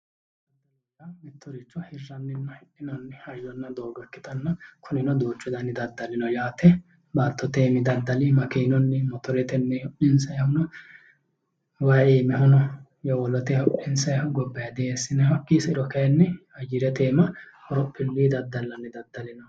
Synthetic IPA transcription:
dɐ | lɐmɛt̪ːɔɾɪt͡ʃːɔhɪrːɐnːɪnːɐhɛʔɪnɔnːɛɐjːɔnːɐd̪oːɡɐkːɪt̪ɐnːɐkʰʊnɪnɔd̪oːt͡ʃːʊd̪ɐnːɪd̪ɐd̪ːɐlɪnɔjaːt̪ɛ | bɐlt̪ːɔt̪eːmɪd̪ɐd̪ːɐlɪmɐkiːnɔnːɛmɔt̪ɔɾɛt̪ɛnːɛhɔʔɪnsɐjɐhʊnɔ | wɐːiːmɛhɔnɔ | jɔwɔlɔt̪ɛɔʔɪnsɐjɐhʊɡɔbːɐjɐd̪ɛesːɪnɛɦɔkːiːsɪɾɔkɐjɛnːɛɐjɪɾɛt̪eːmɐ | hɔɾɔpʰːɪlːiːd̪ɐd̪ːɐlːɐnːɛd̪ɐd̪ːɐlɪnɔ

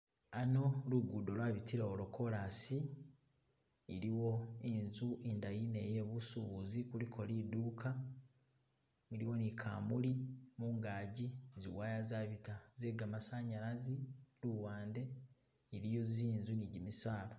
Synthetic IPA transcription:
ano̞luɡudo̞lwaːβitiɾaoloko̞ɾasi | ɾiwo̞enzuindajine̞jeβusuβuzikulikʰo̞liduːkʰa | iɾiwo̞nikʰa̰ːmulimuːŋɡaːɟizḭwaːjazaβitazeɡamasaːɲaɾaziluwaːnde̞ | iɾijo̞ziːnzuniɟimisaːla

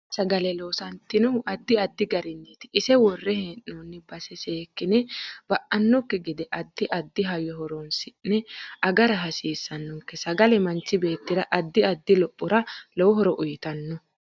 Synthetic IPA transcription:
sɐɡɐlɛloːsɐnt̪ːɪnʊʔɐd̪ːɪɐd̪ːɪɡɐɾɪnːit̪ɪɪsɛwɔrːɛheːnːunːɪbɐsɛseːkːɪnɛb̥ɐʔɐnːɔkːɛɡɪd̪ɛʔɐd̪ːɪʔɐd̪ːɪɦɐjɔɦɔɾɔnsɪnːɛʔɐɡɐɾɐɦɐsiːsːɐnːɔkːɛsɐɡɐlɛmɐnt͡ʃːɪbe̞ːt̪ːɪd̪ɐʔɐd̪ːɪɐd̪ːɪlɔpʼːʊɾɐlɔwɔɦɔɾɔʔʊjɪt̪ɐnːɔ

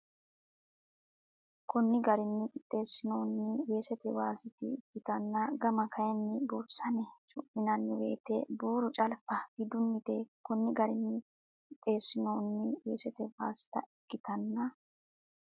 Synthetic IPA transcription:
kʊnːɪɡɐɾɪnːɪɪt̪ʼːe̞ːsːɪnoːnːɪwe̞ːsɛt̪ɛwaːsɪt̪ɪ̰ːɡːɪt̪ɐnːɐɡɐmɐkʰɐjɛnːɪbuːbsɐnɛt͡ʃʼʊʔɪnɐnːɪwe̞̰ːt̪ḛːbuːɾʊt͡ʃʼɐlfɐɡ̥ɪd̪ʊnːɪt̪eːkɔnːɪɡɐɾɪnːɪ | ɪt̪ʼːe̞ːsːɪnoːnːɪwe̞̰ːsɛt̪ɛwaːsɪ̥t̪ɐ̰ɪɡːɪt̪ɐnːɐ

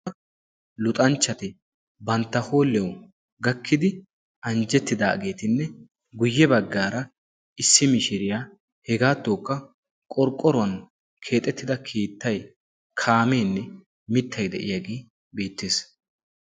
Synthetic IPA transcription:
lʊt̪ʼɐnt͡ʃːɐt̪ɪ | bɐnt̪ːɐho̞ːlːɛw | ɡɐkːɪd̪ɪ | ɐnd͡ʒɛt̪ːɪd̪a̰ːɡe̞ːt̪ɪnːɛ | ɡʊjːɛbɐɡːaːɾɐ | ɪsːɪmɪʃɪɾɪja | hɛɡaːt̪ːoːkːɐ | kʼɔɾkʼːɔɾʊɐn | kʰe̞ːt̪ʼːɛt̪ːɪd̪ɐkʰeːt̪ːɐj | kʰaːme̞ːnːɛ | mɪt̪ːɐjd̪ɛ̰ʔɪ̰jaɡeː | be̞ːt̪ːeːs

